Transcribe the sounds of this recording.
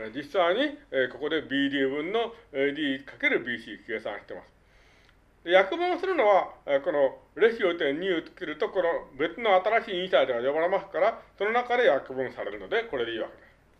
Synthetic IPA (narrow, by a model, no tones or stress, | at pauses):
d͡ʑisːaiɲ̟ieko̞ko̞d̪e̞bʲiːd̪ʲiβɯ̟̃nːo̞ed̪ʲiːkake̞ɾɯ̟bʲiːɕiːke̞ːsã̰ɰ̃ɕi̥t̪e̞ma̰sɨ̥ | d̪e̞jakɯ̟bɯ̟̃ɰ̃sɨɾɯno̞β̞ako̞no̞ɯɾe̞ɕiɾo̞t̪ẽ̞ɲ̟ːiɯt͡sɨ̥keɾɯ̟t̪o̞konobe̞t͡sɨno̞at̪aɾaɕiːĩɰ̃said̪eɡajobaɾemasɨ̥kaɾaso̞no̞nakad̪e̞jakɯ̟bɯ̟̃ɰ̃saɾe̞ɾɯ̟no̞d̪e̞ko̞ɾe̞d̪̞iːβa̰ke̞d̪̥e̞sɨɨ̥